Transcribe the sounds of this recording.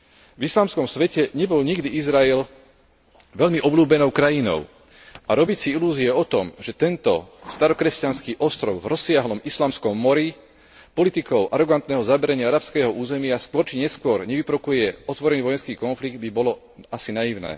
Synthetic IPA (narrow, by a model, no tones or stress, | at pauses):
vislaːmskɔmsʋɛcɛɲɛbɔlɲiɡd̪iizɾaɛl | ʋɛʎmiʔɔbluːbɛnɔʊkɾajinɔ̰ʊ | ʔaɾɔbisiiluːziɛɔt̪ɔmʒɛt̪ɛnt̪ɔ̰st̪aɾɔkɾɛscanskiːʔɔst̪ɾɔʊvɾɔsɪaɦlɔmʔislaːmskɔmːɔɾi | pɔlit̪ikɔʊʔaɾɔɡant̪nɛːɦɔzabɛɾɛɲɪaaɾapskɛːɦɔuːzɛmɪaskʊɔɾt͡ʃiɲɛskʊɔɾɲɛʋipɾɔkujɛɔt̪ʋɔɾɛniːʋɔjɛnskiːkɔnfliɡ̚d̪̚bibɔlɔ | asinajiʊnɛ̰ː